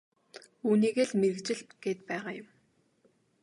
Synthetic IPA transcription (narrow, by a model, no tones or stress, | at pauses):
uːniːɣeːɮmeɾɘ̆kt͡ɕɪ̆ɮɡ̥eːt̪̚pæːʁaːjʊm